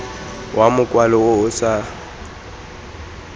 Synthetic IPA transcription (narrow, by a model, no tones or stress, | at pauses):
wʔamʊkʼwalɔʊʊsa